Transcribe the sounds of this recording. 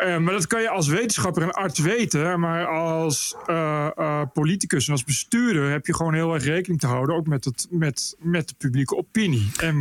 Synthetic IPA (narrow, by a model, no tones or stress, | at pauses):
maːɹdɑtkɑnjəɑlˠs̬ʋejtənsχɑpərənɑɹtʋejtəmaːrɑlˠs | politikəsɛnɑlˠzbəstyːɹdərɦɛpjəχəʋownɦɪːlˠɛɹχrejkənɪŋtəɦʌwdənowkmɛtətmɛtmɛt̚dəpyblikəopiniɛn